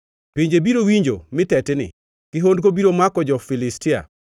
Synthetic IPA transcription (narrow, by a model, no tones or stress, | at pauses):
piɲd͡ʒebiɾowiɲd͡ʒo̰mɪtɛtɪnɪ̰ | kɪɦondkobiɾomakɔd͡ʒɔfilɪstia̰